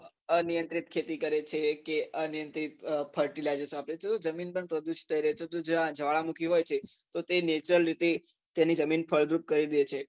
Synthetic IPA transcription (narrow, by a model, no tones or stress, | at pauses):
ənijənt̪ɾit̪̚kʰet̪ikəɾet͡ʃʰekeənijənt̪ɾit̪pʰəɾʈilad͡ʒesapɾet͡ʃʰet̪od͡ʒəminpəɳpɾəd̪uʃt̪ʰəiɾəɦet͡ʃʰet̪od͡ʒoãd͡ʒʱəʋaɭamukʰiɦojt͡ʃʰe | t̪ot̪enet͡ʃɾəlɾit̪e | t̪janid͡ʒəminpʰəɭɡɾup̚kəɾid̪et͡ʃʰe